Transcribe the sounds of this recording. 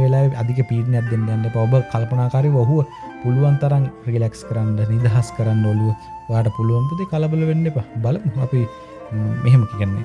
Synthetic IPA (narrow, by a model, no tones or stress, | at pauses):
ʋelaːʋea̰d̪ik̬əpiːʈinat̪̚d̪ːend̪annepaobəkalpɐnaːkaːɾiʋoɦuʋə | puluʋant̪ɐɾaŋrilækskəɾanɖənid̪aɦaskəɾanːəʋaluʋəojaːʈəpuluʋanp̪ud̪ekaləbələʋenːepabɐləmuapi | mʔeɦeməkikənːḛ